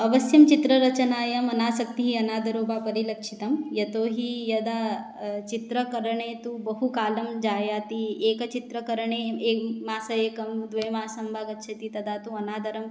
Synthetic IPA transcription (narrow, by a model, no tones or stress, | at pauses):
ɐʋɐsjɐmt͡ʃit̪ɾɐɾɐt͡ʃnaːjɐmɐnaːsɐk̚t̪iɦiɐnaːd̪ʱɐɾoːbaːpɐɾilɐkʂit̪ɐmjɐt̪oːɦijɐd̪a | t͡ʃit̪ɾɐkɐɾɐɳeːt̪ubɐɦukaːlɐmd͡ʒaːjaːt̪ieːkɐt͡ʃit̪ɾɐkɐɾɐɳeeːkmaːsɐeːkɐmd̪ʋɐjmaːsɐmbʱaːɡɐtːʃʰɐt̪it̪ɐd̪ʱaːt̪uɐnaːd̪ʱɐɾɐm